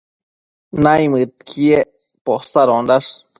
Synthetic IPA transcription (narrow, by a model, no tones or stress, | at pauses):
najmɨt̪̚kʰie | posaɾond̪as